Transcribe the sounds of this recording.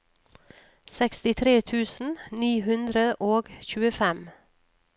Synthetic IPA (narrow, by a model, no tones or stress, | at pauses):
sɛkst̪ɪt̪ʰɾeːt̪ʰʉːsn̩niːhʉnd̪ɾəʔoːɡçʉːəfɛm